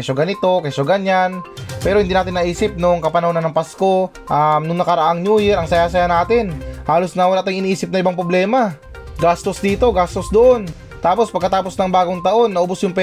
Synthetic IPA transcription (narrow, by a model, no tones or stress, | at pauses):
ɐʃoɡanɪt̪o̞kɐʃoɡɐɲanpɛːɾo̞hɪnd̪inaːt̪ɪnɐʔiːsɪp̚nʊŋkɐpɐnɐhonɐnɐŋpasko̞ | ʔamnʊŋnɐkɐɾɐʔaŋɲuːjɛɾʔɐŋsɐjasɐjanaːt̪ɪnhaːlo̞snɐwɐlaːʔt̪aŋɪniʔiːsɪp̚nɐʔɪbaŋpɾoblɛːma | ɡaːst̪o̞sd̪iːt̪o̞ɡaːst̪o̞sd̪oʔo̞n | t̪aːpo̞spɐɡkːɐt̪aːpo̞snɐŋbaːɡoŋt̪ɐʔo̞nːɐʔobosjʊŋpɛ